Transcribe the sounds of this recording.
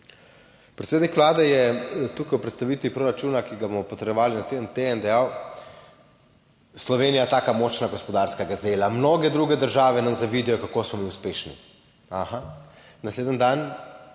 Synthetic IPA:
pɾɛt̪seːd̪nikʋlaːd̪ɛjɛt̪uːkajwpɾɛt̪st̪aʋiːt̪ʋipɾoɾat͡ʃuːnakiɡabomɔpɔt̪ɾɛjɔʋaːlinasleːd̪ənt̪eɛnd̪ɛjaw | slɔʋeːnijat̪aːkamɔːt͡ʃnaɡɔspɔd̪aɾskaɡazeːlamnoːɡɛd̪ɾuːɡɛd̪əɾʒaːʋɛnamzaʋid̪ɛjɔkakoːsmɔmiuspeːʃnḭ | axa | nasleːd̪ənd̪an

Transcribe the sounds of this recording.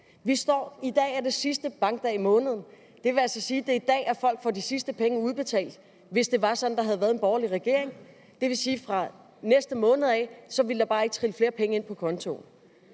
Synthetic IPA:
ʋisd̥ɒ̰ːid̥ɛ̰ːæɐd̥e̝sisd̥əb̥ɑ̈ŋɡ̥̚d̥ɛ̰ːimɔ̽ːnəð̞̩ˠn̩ | d̥e̝ʋe̝ælsɒ̽siːd̥e̝id̥ɛ̰ːæɐfɒ̽l̰ɡ̥fɒd̥isisd̥əpʰeŋəuð̞ˠb̥e̝t͡sʰɛ̰ːld̥ | ʋe̝sd̥e̝ʋɑ̈sɒ̽d̥n̩d̥ɑ̈ɦæð̞ˠʋæːɐð̞ˠe̝nb̥ɒʊɐliʁɛɡ̥e̝ɐeŋ | d̥e̝ʋe̝siːfʁɑ̈ | nesd̥əmɔ̽ːnð̩ˠɛsɒ̽ʋild̥ɑ̈b̥ɑ̈ːe̝ɡ̥t͡sʰʁiləfle̝ːɐpʰeŋəe̝n̰pʰɒ̽kʰɒ̽nt͡sʰo̝̰n

